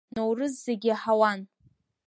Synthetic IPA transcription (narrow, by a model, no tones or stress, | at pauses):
nowrɨzːeɡʲiaħawan